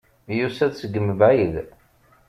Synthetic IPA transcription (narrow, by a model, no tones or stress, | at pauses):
jusæðsəɡəmvʕið